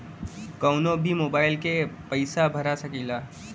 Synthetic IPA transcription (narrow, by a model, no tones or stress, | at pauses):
kəʊnõbʱimoːbaːɪlkepəɪsabʱəɾasəkilaː